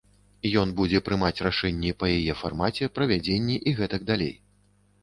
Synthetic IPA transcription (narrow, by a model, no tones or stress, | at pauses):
jɔnbud͡zʲɛpɾɨmat͡sʲraʂɛnʲːɛpɐjajɛfarmat͡sʲɛpɾɐvʲad͡zʲenʲːɛʔiɣɛt̪ɐɡ̚d̪alʲḛj